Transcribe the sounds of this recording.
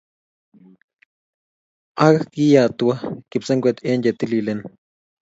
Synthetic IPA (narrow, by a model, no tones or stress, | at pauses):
aɣakijat̪uakipsaŋɡʷet̪enjet̪ililen